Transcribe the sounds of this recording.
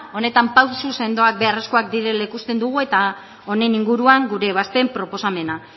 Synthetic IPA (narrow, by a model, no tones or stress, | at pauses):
o̞ne̞t̪ampawsuse̞nd̪o̞ak̚be̞are̞sko̞akd̪iɾe̞lekust̪e̞nd̪uɣ̞ue̞t̪a | o̞ne̞niŋɡuɾuaŋɡuɾe̞β̞ast̪e̞mpɾo̞po̞same̞na